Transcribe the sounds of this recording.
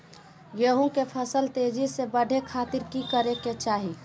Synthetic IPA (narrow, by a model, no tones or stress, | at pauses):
jəɦũkepʰəsəlt̪eːd͡ʒisebəɖʱekʰaːt̪ɪɾkikəɾeket͡ʃaːɦi